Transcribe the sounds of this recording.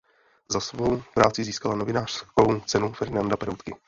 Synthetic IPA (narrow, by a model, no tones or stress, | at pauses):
zasvo̞wpɾaːt͡sɪziːskalano̞vɪnaːr̥sko̞wt͡sɛnufɛɾnandapɛɾowt̪kɪ